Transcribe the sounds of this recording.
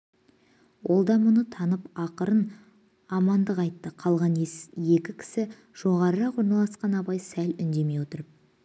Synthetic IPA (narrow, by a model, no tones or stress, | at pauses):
wʔo̞lˠd̪ɑmʊnət̪ʰɑnəpɑqəɾən | ɑmɑnd̪əqɑjt̪ːəqʰɑlˠʁɑnje̞kʲɪkʲʰɪ̥sɪ | ʒ̥o̞ʁɑɾəɾɑqwo̞ɾnɑlˠɑsqɑnɑpɑjsælʏnd̪e̞me̞jwo̞t̪əɾəp̚